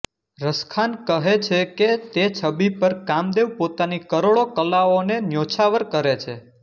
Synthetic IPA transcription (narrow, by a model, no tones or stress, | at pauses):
ɾəskʰankəɦet͡ʃʰeket̪et͡ʃʰəbipəɾkamd̪eʋpot̪anikəɾoɭokəlaonenjot͡ʃʰaʋəɾkəɾet͡ʃʰe